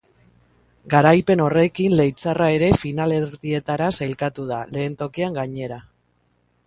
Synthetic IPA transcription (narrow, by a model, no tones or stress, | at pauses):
ɡaɾajpe̞no̞re̞kinle̞jt͡sarae̞ɾe̞finale̞ɾðie̞t̪aɾasajlkat̪uðale̞ːnt̪o̞kiaŋɡaɲe̞ɾa